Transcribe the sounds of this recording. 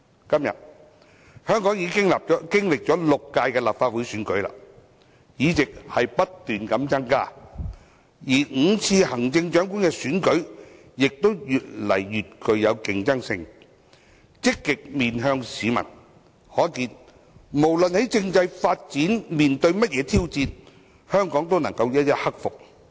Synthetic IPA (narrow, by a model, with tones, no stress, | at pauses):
kɐ˥mjɐ̰˨t̚ | hœː˥ŋkɔː˨˥ŋji˨˧˥kɪ˥ŋlaː˨p̚ːkɪ˥ŋlɪ˨k̚t͡ʃɔː˨˥lʊ˨kːaː˧jkɛː˧laː˨p̚faː˧t̚wu˨˥jsyː˨˥nkɵ˨˥ɥla̰ː˧ | jiː˨˥t͡sɪ˨k̚hɐ˨jpɐ˥tt̪yː˨˩nkɐ˨˥mt͡sɐ˥ŋkaː˥˩ | jiː˨˩ŋ̩˨˧t͡sʰiː˧hɐ˨˩ŋt͡sɪ˧ŋt͡ʃœː˨˥ŋkuː˨˥nkɛː˧syː˨˥nkɵ˨˥ɥ | jɪ˨k̚t̪o˥wjyː˨t̚lɐ˨˩jːyː˨t̚kɵ˨ɥjɐ˨˧wkɪ˧ŋt͡sɐ˥ŋsɪ˧ŋ | t͡sɪ˥kːɪ˨k̚miː˨nɦœː˧ŋsiː˨˧mɐ̰˨˩n | hɔː˨˥kiː˧n | mo˨˩wlɵ˨nhe˨˥jt͡sɪ˧ŋt͡sɐ˧jfaː˧t̚t͡siː˨˥nmiː˨nt̪ɵ˧ɥmɐ˥t̚jɛː˨˧˥t̪ʰiː˥wt͡siː˧n | hœː˥ŋkɔː˨˥ŋt̪o˥wnɐ˨˩ŋkɐ˧wjɐ˥t̚jɐ˥t̚hɐ˥k̚fʊ˨k̚